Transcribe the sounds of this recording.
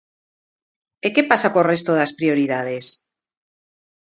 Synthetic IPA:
eke̞pasakorest̪oðaspɾioɾiðað̞es

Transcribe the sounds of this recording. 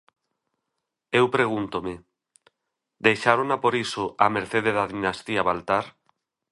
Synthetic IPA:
ewpɾeɣunt̪ome | d̪ejʃaɾonapoɾisoʔameɾθeðeðaðinast̪iaβalt̪aɾ

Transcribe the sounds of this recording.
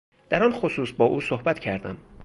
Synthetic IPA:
d̪̥æɾɒnxosuːsbɒːʔuːsohbæt̪cʰæɾd̪æ̰m

